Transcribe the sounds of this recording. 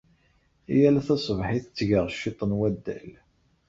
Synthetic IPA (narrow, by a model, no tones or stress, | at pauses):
ijælæθæsˤvħiθət͡sːʝəʁʃːit̪ˤənwæd̪ːæ̰l